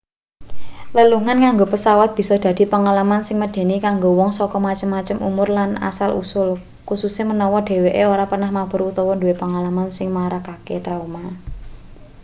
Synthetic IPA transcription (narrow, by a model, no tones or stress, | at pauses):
ləluŋankaŋɡopəsawat̪̚b̥i̤sɔd̪̥ä̤d̪̥i̤pəŋalamansɪŋməd̥e̤nikaŋɡowɔŋsɔkɔmat͡ʃəmːat͡ʃəmʔṵmʊrlana̰salʔṵsʊl | kususemənɔwɔɖ̥e̤weʔeoɾapərnahmab̥ə̤ɾut̪ɔwɔnduwepəŋalamansɪŋmaɾakaket̪ɾauma